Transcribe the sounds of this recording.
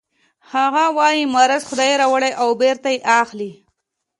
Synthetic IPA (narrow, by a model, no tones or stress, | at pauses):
haɣawɑjimaɾazxʊd̪ɑjeɾawəɽajʔawbeɾt̪ajeʔaxli